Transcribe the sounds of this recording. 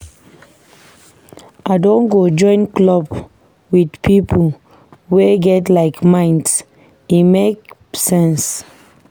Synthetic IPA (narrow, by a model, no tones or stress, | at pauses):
ʔaɪdõnɡod͡ʒɔ̃ɪ̃nklɔb | widpʰipʰo | weɡɛtlaɪkmãɪ̃nds | imek | sɛ̃ns